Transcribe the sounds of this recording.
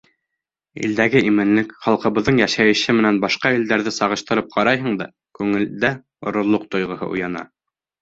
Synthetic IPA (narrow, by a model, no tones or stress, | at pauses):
ḭld̪æɡɘʔimɘ̆nlɘkχɑlˠqɤ̆βɤ̆ðːɤɴjæʃæjɘ̆ʃɘmɘ̆nænbɑʃqɑild̪æɾðɘsɑʁɤ̆ʃt̪ɤ̆ɾɤp̚qʰɑɾɑjɦɤ̆ɴd̪ɑ | kʉŋɘ̆ld̪æ | ŏɾŏɾlˠoq̚t̪ŏjʁɤ̆hɤ̰ʔṵjɑnɑ̰